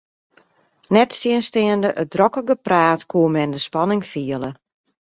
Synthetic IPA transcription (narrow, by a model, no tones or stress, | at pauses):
nɛtsɪənstɪəndəʔədrɔkəɡəpraːtkʰuəmɛndəspɑnɪŋfiələ